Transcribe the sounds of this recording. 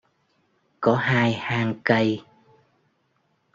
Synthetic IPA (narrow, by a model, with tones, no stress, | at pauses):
kɔ˨˦ɦaː˧jhaː˧ŋkə˧j